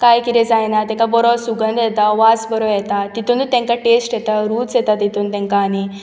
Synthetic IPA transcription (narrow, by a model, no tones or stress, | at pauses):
kaːjkiɾezaːjnat̪ekabɔɾɔsuɡɐnd̪jet̪aʋaːsbɔɾɔjɛt̪at̪it̪und̪ut̪ẽŋkaʈeːsʈjet̪aɾuːsjet̪at̪it̪unt̪eŋkaːni